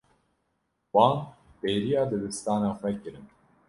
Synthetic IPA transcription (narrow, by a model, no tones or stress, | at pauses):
wɑːnpeːɾijɑːd̪ɨd̪ɨst̪ɑːnɑːxʷɛkɨɾɨn